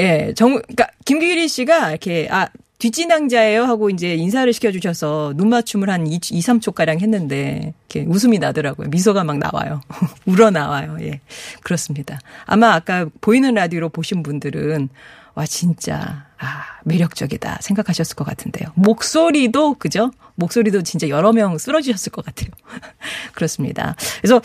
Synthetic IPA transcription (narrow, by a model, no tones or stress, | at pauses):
je̞t͡ɕʌŋk͈akimɡiiɾiɕ͈iɡakʰe̞ʔa | tɥit͡ɕ͈inaŋd͡ʑae̞joɦaɡoind͡ʑe̞ins̬ʰaɾɯɭɕʰi̥kʰjʌd͡ʑuɕʰʌsʰʌnummat͡ɕʰumɯɭhaniisʰamt͡ɕʰok͈aɾaŋɦe̞nːɯnde̞ikʰe̞̰us̬ʰɯminadɯɾaɡojo̰mis̬ʰoɡamaŋna̰wa̰jouɾʌnawajoje̞̰kɯɾʌs͈ɯmɲidaa̰maːk͈apoinɯnɾadioɾopoɕʰinbundɯɾɯn | wat͡ɕint͡ɕ͈a̰ame̞ɾjʌk̚t͡ɕ͈ʌɡida̰sʰe̞ŋɡakʰaɕʰʌs͈ɯɭk͈ʌk͈atʰɯnde̞̰jomok̚s͈oɾidokɯd͡ʑo | mok̚s͈oɾidot͡ɕint͡ɕ͈ajʌɾʌmjʌŋs͈ɯɾʌd͡ʑuɕʰʌs͈ɯɭk͈ʌk͈atʰe̞jo | kɯɾʌs͈ɯmɲḭda̰es̬ʰʌ